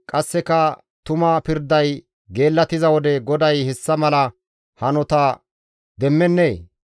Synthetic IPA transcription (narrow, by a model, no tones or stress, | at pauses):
kʼɐsːɛkɐ | t̪ʊmɐpɪɾd̪ɐj | ɡe̞ːlːɐt̪ɪzɐwɔd̪ɛɡɔd̪ɐjhɛsːɐmɐlɐ | hɐnɔt̪ɐ | d̪ɛmːɛnːeː